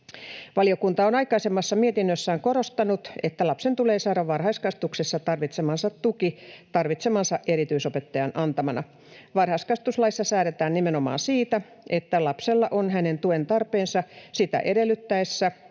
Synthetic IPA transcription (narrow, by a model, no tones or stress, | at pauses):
ʋɑlio̞kunt̪ɑonɑjkɑisemːɑsːɑmiet̪inːøsːæːŋko̞ɾo̞st̪ɑnut̪e̞t̪ːælɑpsent̪uleːsɑːɾɑʋʋɑrhɑiskɑst̪uksesːɑt̪ɑrʋit̪semɑnsɑt̪ːukit̪ɑrʋit̪semɑnsɑʔʔeɾit̪yisope̞t̪ːɑjɑnʔɑnt̪ɑmɑnɑ | ʋɑrhɑiskɑst̪uslɑisːɑsæːɾet̪æːnnimenomɑ̰ːnsiːt̪æ | ʔe̞t̪ːælɑpselːɑʔonɦæne̞nt̪ue̞nt̪ɑrpeːnsɑsit̪æ̰ʔe̞delːyt̪ːæesːæ